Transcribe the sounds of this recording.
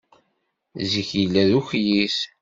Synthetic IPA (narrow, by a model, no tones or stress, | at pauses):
ziçilːæðuçjis